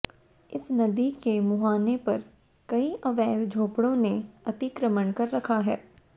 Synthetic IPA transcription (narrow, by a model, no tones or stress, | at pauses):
ɪsnɐd̪ikemʊɦaːnepɐɾ | kɐiʔɐʋɛːld͡ʒʱoːpɽõneɐt̪ikɾəməɳkɐɾːɐkʰaɦɛ̰ː